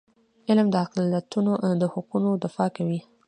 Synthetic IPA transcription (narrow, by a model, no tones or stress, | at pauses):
ɪlmd̪əaqlijat̪unoʔd̪əhʊqunod̪ɪfɑkawi